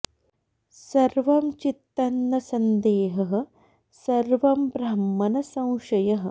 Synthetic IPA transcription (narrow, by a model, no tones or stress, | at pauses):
sɐɾʋɐmt͡ʃit̪ːɐnːɐsɐnd̪eːɦɐɦɐ̆ | sɐɾʋɐmbɾɐmːɐnɐsɐ̃w̃ʃɐjɐɦɐ̆